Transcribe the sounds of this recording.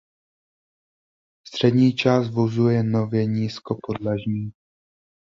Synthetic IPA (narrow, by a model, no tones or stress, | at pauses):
st̪r̝̥ɛdɲiːt͡ʃaːst̪vozujɛno̞vjɛɲiːskopo̞dlaʒɲiː